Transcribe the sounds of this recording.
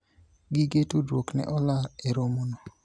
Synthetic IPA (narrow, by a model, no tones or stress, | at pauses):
ɡɪɡetudwoknɛ̰ʔɔlaeɾomono